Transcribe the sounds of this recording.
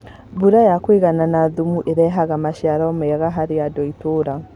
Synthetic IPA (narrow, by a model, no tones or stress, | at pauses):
buɾajakweɣananaðumuʔeɾɛɦaɣamaʃaɾaɔmeaɣaɦaɾeadɔitoɾa